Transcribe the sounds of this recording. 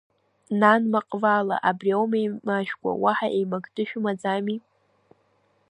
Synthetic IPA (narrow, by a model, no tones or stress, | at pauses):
nanmaqʼvala̰ʔabriawmejmaʃᶣɡʷʼa̰waħaʔejmaɡdɨʃᶣʊmad͡zami